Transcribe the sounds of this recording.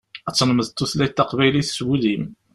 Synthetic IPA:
æt͡sːnməðt̪ːuθlæt̪ːɑqvæjliθswuðim

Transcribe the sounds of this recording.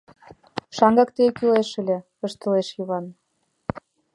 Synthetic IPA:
ʃɑŋɡɑkt̪ekyleʃə̆lʲĕ | əʃt̪ə̆leʃjiβɑn

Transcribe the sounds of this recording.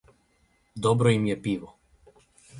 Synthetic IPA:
d̪obɾoimjɛpiʋɔ

